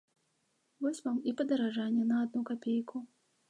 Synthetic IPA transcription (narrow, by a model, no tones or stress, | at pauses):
vɔsʲvamipɐd̪ɐɾaʐanʲːɛnɐːd̪nukapʲejkʰu